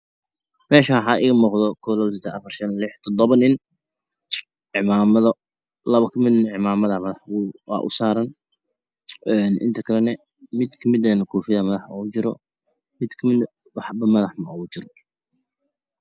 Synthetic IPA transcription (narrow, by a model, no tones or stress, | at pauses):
mɛːʃɐħaːʔɪɣɐmɔːqd̪ɔkʰɔːlɐβsɔt̪ʰɛɐfɐrʃɐnlɪħt̪ʰɔd̪ɔβɐnɪn | ʕɪmaːmɐðɔ | lɐβɐkʰɐmɪd̪nʕɪmaːmɐðɐmɐðɐħʊwɑ̰ːʔʊ̰saːɾɐn | ɛːnʔɪ̰nt̪ʰɐkʰɐlɛnɛ | mɪd̪kʰɐmɪd̪ɛːnɐkʰuːfɪðɐmɐðɐħɔt͡ʃɪɾɔ̰ | mɪd̪kʰɐmɪd̪ | wɑħbɐmɐðɐħmɐʔɔt͡ʃɪɾɔ